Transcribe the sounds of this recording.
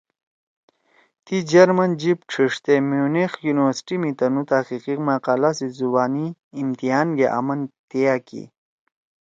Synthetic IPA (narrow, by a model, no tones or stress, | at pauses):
t̪id͡ʑɐɾmɐnd͡ʑipʈ͡ʂʰiʂt̪emiunexjuniwɐɾsʈimit̪ɐnut̪aqiqimaqaːlasizubaːniːmt̪iaːnɡeʔa̰mɐnt̪ijakḭ